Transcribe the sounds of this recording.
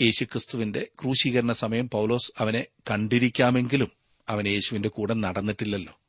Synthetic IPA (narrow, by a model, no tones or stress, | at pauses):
je̞ːɕukrɨst̪uʋinde̞kruːɕiɣɐɾɐɳɐsɐmɐjɐmpɐwlo̞ːsɐʋɐne̞kɐɳɖiɾikʲːaːme̞ŋɡilum | ɐʋɐne̞ːɕuʋinde̞kuːɽɐnɐɽɐnːiʈːilːɐlːo̞̰ː